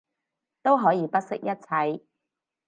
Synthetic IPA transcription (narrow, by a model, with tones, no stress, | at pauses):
t̪o˥wɦɔː˨˥jiː˨˧pɐ˥t̚sɪ˥k̚jɐ˥t̚t͡sʰɐ˨˧j